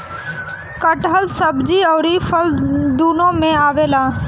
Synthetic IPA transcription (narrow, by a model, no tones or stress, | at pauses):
kəʈɦəlsəbd͡ʒiːɔːɾifʰəld̪uːnõːmẽaːʋeːlaː